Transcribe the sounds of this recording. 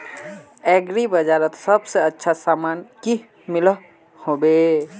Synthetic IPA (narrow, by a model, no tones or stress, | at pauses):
ɛːɡɾibəd͡ʒaːɾət̪səbseətːʃʰasaːmaːnki | mɪlə | hoːbeː